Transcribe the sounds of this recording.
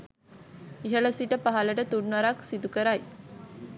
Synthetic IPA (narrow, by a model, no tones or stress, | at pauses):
iɦələsiʈəpaɦaləʈət̪unːʋaɾaksid̪ukəɾaj